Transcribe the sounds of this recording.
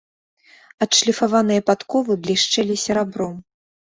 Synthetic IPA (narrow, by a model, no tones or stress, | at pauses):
ɐt̪ʂlʲifavanɨjɐpat̪kɔvɨblʲiʂt͡ʂɛlʲisʲɛɾabɾɔm